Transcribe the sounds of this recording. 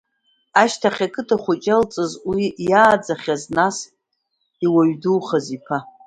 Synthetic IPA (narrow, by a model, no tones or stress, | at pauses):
aʃtʰaχʲakʰɨtʰʼaχʷʊt͡ʃʼalt͡sʼɨzwijaːd͡zaχʲaznas | iwaɥduχazipʰa